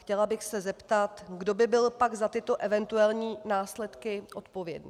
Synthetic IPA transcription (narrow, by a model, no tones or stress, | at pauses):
xcɛlabɪxsɛzɛpt̪at̪ɡdo̞bɪbɪlpaɡzat̪ɪt̪o̞ʔɛvɛnt̪uɛlɲiːnaːslɛt̪kɪʔo̞t̪po̞vjɛ̰dnḭː